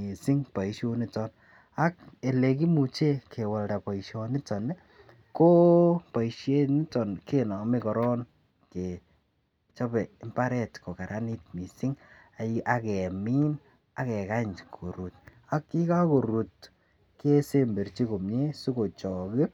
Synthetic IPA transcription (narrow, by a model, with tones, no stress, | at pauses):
i˨si˦ŋpa˨iʃo˦ni˦tɔ˦n | a˦ke˨le˨ki˦mu˨t͡ʃe˦kʰe˨wa˨lta˨pa˨iʃɔ˧nɪ˦tɔ˨nɛ˦ | ko˦pa˨i˨ʃe˦ni˦tɔ˨nke˦nɔ˨mi˦kɔ˨ɾɔ˦n | ke˨ | t͡ʃɔ˦pɛ˨ɪ˦mpa˦ɾɛ˦˨tko˨ka˨ɾʔani˦t̚mi˨si˦ŋ | a˨iʔa˨kɛ˨mi˦n | a˨kɛ˨ka˦ɲkʰo̰˨ɾu˨t | a˨˦kːi˦ka˦ko˨ɾu˨t | ke˦se˦mbe˨rt͡ʃi˦ko˨mɲe˦su˦ko˨t͡ʃɔ˨ki˦